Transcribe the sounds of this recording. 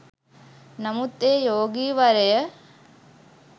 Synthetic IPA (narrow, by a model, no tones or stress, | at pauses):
nɐmɯt̪ːeːjoːɡiʋɐɾɐjɐ